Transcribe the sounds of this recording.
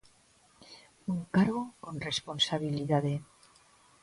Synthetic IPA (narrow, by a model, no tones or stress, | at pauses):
uŋkaɾɣokonrespo̞nsaβiliðaðe